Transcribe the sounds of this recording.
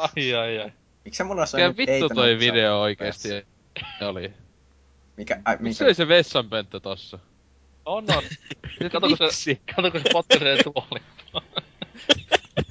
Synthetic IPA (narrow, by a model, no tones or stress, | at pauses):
ɑiɑiɑi | miksæmulːɑsokæʋitːut̪oiʋideooikeːst̪i | oli | mikæmisoliseʋesːɑmpønt̪ːæt̪osːɑ | onːonkɑt̪okosekɑt̪okosepot̪̚kɑseːt̪uoli